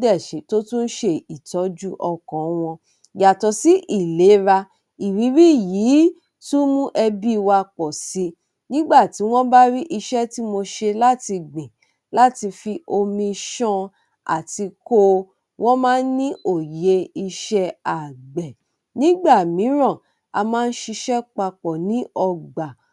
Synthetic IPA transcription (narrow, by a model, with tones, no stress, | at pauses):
dɛ˦˨ʃĩ˨˦to˦tũ˦n̩˦ʃe˧i˨tɔ˨˦d͡ʒu˦ʔɔ˧kɔ̃˨˦w̃ɔ̃˧ | ja˨tɔ˧si˦ʔi˦˨le˨˦ɾa˧ | i˨wi˨˦ɾi˦˨jiː˨˦ | tu˦mũ˦ʔɛ˧bi˦˧wa˧k͡pɔ˨si˨˦ | nĩ˦ɡ͡ba˦˨ti˨˦w̃ɔ̃˦ba˦ɾi˦ʔi˧ʃɛ˦ti˦mo˧ʃe˧la˦ti˧ɡ͡bĩ˨ | la˦ti˧fi˧ʔo˧mĩ˧ʃɔ̃˦ | a̰˨ti˧ko˦ | w̃ʔɔ̃˦mãː˦n̩˦nĩ˦ʔo˦˨je˧i˧ʃɛ˦a˨ɡ͡bɛ˨ | nĩ˦ɡ͡ba˦˨mĩ˨˦ɾɔ̃˦˨ | a̰˧mãː˦˧n̩˦ʃi˧ʃɛ˦k͡pa˧k͡pɔ˨nĩ˨˦ɔ˧ɡ͡ba˨